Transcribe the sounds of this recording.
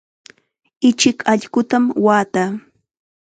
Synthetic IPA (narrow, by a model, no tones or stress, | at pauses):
ɪt͡ʃɪkaʎɢʊt̪amwaːt̪aː